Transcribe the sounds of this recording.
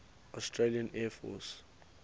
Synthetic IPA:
ɔstɹeliãnɛfɔ̰s

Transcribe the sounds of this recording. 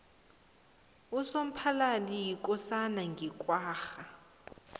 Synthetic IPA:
usom̩pʰalalijikʼɔsanaŋɡʱikʼwaːxa

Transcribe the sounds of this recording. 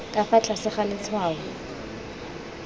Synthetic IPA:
kʼafat͡ɬʼasɪχalɪt͡sʰwaːɣʊ

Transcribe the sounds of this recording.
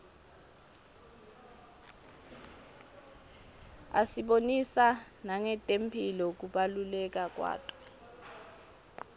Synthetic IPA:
a̰siɓonisa | naŋɛtʼempʰilɔk̬uɓalulɛk̬ʼak̬ʼwa̰ːtʼɔ̥

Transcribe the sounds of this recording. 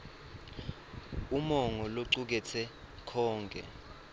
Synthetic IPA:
umɔŋɔloǀuk̬ɛt͡sʰɛ | kʰɔːŋkʼɛ̰

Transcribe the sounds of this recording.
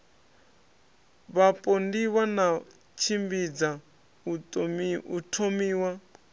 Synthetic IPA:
βapʼɔndiwana | t͡ʃʰimbid͡za | u | utʰomiːwa

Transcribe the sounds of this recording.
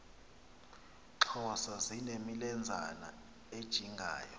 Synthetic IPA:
ǁʰɔsazinemilɛnd͡zʱa̰na̰ | ed̥ʒ̥ʱiŋɡʱa̰ːjɔ

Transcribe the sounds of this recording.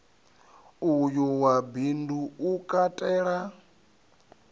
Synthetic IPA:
ujuwabinduːkʼatʼɛːɺa

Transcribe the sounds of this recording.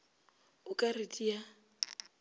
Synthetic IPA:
ʊkʼaritʼia

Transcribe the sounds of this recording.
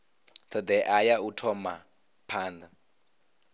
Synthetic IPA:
tʰɔd̪ɛʔajautʰɔma | pʰaːnd̪a

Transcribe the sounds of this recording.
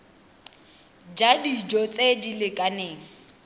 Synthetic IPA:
d͡ʒadid͡ʒɔt͡sʼedilɪkʼaneːŋ̩

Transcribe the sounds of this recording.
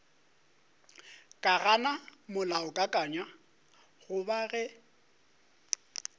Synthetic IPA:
kʼaɣanamʊlaʊkʼakʼaɲwa | ɣʊbaɣɛ

